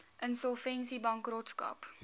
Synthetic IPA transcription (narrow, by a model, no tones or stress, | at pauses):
ʔənsɔlˠfɛnsibɐŋkrɔtskɐ̰p